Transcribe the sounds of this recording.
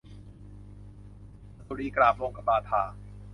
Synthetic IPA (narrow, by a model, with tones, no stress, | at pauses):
t̪u˨˧ɾiː˧˩klaː˧˩poː˧ka˧baː˧˩t̪ʰaː˩